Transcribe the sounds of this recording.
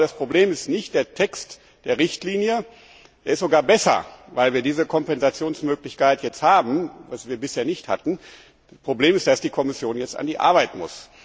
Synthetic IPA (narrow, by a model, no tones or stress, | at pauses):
aspʁ̥obleːmɪstnɪçt̚d̥eːɐtʰɛkst | d̥eːɐʁɪçtliːnjə | d̥eːɐɪstz̥oɡaːɐbɛsɐ̰vaɪlviːɐdiːzəkʰɔmpɛnzat͡sjoːnsmøːklɪçkaɪtjɛt͡sthaːbm̩vasv̥iːɐbɪsheːɐnɪçtha̰tn̩̥ | apʁ̥obleːmɪstd̥asd̥iːkʰɔmɪsjoːnjɛt͡sta̰ndiːʔa̰ɐβaɪtmʊ̰s